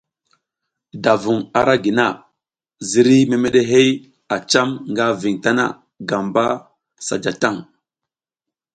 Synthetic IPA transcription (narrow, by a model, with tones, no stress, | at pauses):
da˨vu˨ŋa˨ɾa˦ɡi˨na˨ | zi˨ɾi˦me˨me˦ɗe˦ɦe˦j | a˨t͡ʃa˦mŋɡa˦vi˨ŋta˦na̰˦˨ | ɡa˨mba˦ | sa̰˨d͡ʒa˨ta˦˨ŋ